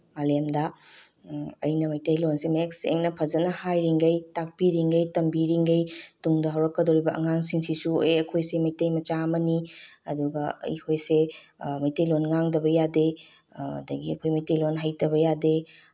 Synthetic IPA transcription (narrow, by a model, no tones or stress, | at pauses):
malemdɐ | ɐ̰jnɐmɐjtɐjlonsemeksḛŋnɐpʰɐzɐnɐhajɾiŋɡɐjtak̚piɾiŋɡɐjtɐmbiɾiŋɡɐjtuŋdɐɦaɐwɾɐkːɐdoɾibɐɐ̰ŋaŋsiŋsisueɐkʰojsemɐjtɐjmɐt͡ʃamɐniɐduɡɐɐ̰jkʰojsemɐjtejlonŋaŋdɐbɐjadḛ | dɐɡiɐkʰojmɐjtejlonɦajtɐβɐjade